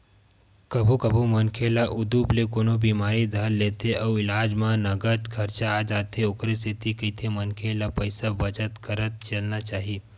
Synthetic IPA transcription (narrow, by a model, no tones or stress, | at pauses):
kəbʱukəbʱumənkʰelaʔud̪uplekonobimaɾid̪ʱəlːet̪ʰeʔəwɪlad͡ʑmãnəɡət̪kʰəɾt͡ʃaːd͡ʒat̪ʰeokɾesit̪ʰikit̪ʰemənkʰelapəjsabət͡ʃət̪kəɾət̪̚t͡ʃəlnat͡ʃaɦi